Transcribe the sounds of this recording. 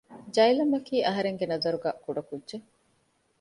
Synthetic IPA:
d͡ʒɐjlɐmːɐkiːʔɐɦɐɾeŋɡenɐzɐɾuɡæːkuɖɐkudʒe

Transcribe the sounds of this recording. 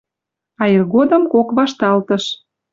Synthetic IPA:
ɑjirɣod̪ə̆mkokβɑʃt̪ɑlt̪ə̆ʃ

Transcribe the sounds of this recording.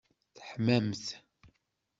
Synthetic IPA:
θə̥ħmæmθ

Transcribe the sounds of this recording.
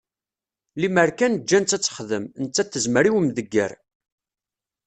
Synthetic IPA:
liməɾkænd͡ʒːænt͡sːæt͡sːə̥χðəmnət͡sːæθːəzməɾiwəmðəɡːə̰ɾ

